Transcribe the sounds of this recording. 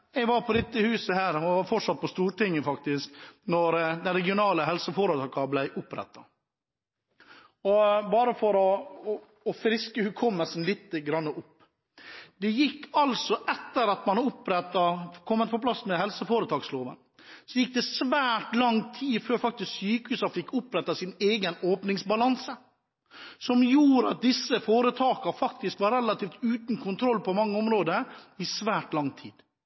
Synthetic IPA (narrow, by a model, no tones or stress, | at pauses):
ɛɡʋɑɾpʰɔd̪ɪt̪ːəhʉːsəhæːɾɔɑfɔʈʂɑt̪̚pʰɔst̪uːɾʈɪŋːəfɑkt̪ɪsknɔɾd̪ɛnɾɛɡɪʊnɑːləɦɛlsəfoːɾət̪ɑːkɑblæɪʔʊpɾɛ̰t̪ːɑ | ɔbɑːɾəfɔɾɔː | fɾɪskəhʉkʰɔmːəlsn̩lɪːt̪ːəɡɾɑnːəʔʊpː | d̪ɛjɪkːɑlsɔʔɛt̪ːəɾɑt̪mɑnʊpːɾɛt̪ːɑkʰɔmːət̪̚pʰɔpʰlɑsmɛhɛlsəfoːɾət̪ʰɑːksloːʋə̰n | sɔjɪk̚ːd̪ɛsʋæːʈlɑŋt̪ʰiːføːɾfɑk̚t̪ɪsksyːkəhʉːsɑfɪkːʊpɾɛt̪ːɑsɪneːɡənoːpnɪŋsbɑlɑnsə | sɔmjuːɾəɑt̪̚d̪ɪsːəfoːɾət̪ʰɑːkɑɾfɑk̚t̪ɪskʋɑɾɛlɑt̪ʰiːft̪ʉːt̪n̩kʰʊnt̪ʰɾɔlːpɔmɑŋːəɔmɾoːd̪əɾɪsʋæːʈlɑŋt̪ʰḭːd̪̥